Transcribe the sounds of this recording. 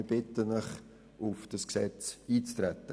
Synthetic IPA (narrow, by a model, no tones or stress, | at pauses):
b̥ɪtənəχ | ʊfd̥ɑsksɛt͡siːt͡stɾɛtːə